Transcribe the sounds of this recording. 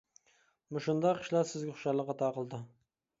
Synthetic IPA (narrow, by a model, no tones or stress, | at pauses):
mʊʃʊnd̪ɑqʰɨ̥ʃlˠɑɾsɪzɡʲɪχʊ̥ʃɑɾlˠəqːɑt̪ʰɑqəlˠd̪ɨ